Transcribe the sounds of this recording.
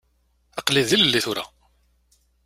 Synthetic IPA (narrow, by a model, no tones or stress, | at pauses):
ɑqliðiləlːiθʊɾa̰